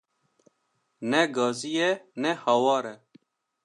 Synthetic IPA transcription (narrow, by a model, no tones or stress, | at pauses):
neɡaːzijenehɐwaːɾe